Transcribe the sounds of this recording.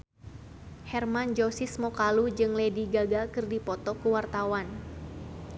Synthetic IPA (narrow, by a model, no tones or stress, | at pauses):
hɛrmand͡ʒosɪsmɔkalud͡ʒɨŋlɛdiɡaɡakɨrdipɔt̪ɔkuwart̪awan